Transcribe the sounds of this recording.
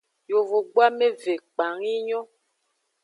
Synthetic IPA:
jo˨vo˨ɡ͡bwa˦me˦ve˨k͡pa˨ŋi˦ɲɔ˦

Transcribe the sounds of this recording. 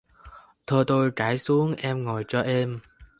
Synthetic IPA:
t̪ʰɔː˧t̪oː˧jkaː˨˥jsu˨˦əŋʔɛ˧mŋɔː˨˩jt͡ɕɔ˧ʔɛː˧m

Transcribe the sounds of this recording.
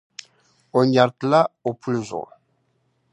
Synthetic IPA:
o˨ɲa˨ɾtla˦o˨pʰu˦lzṵ˨

